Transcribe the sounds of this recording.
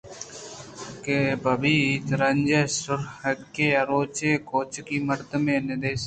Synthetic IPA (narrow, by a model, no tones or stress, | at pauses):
kebɐbiːt̪ɾɐɲd͡ʒesʊɾhɐkːeːɐɾoːt͡ʃeːkoːt͡ʃkiːməɾt̪əmeːnɪd̪eːs